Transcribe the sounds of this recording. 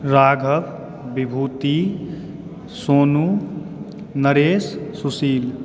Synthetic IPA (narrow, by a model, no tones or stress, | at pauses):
ɾaːɡʱəʋ | bibʱuːt̪i | soːnu | nəɾeːsːusiːl